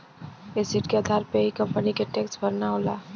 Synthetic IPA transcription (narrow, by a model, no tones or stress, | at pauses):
esɪʈkeəd̪ʱaːɾpeɦikɐ̃mpənikeʈeksbʱəɾnaɦolaː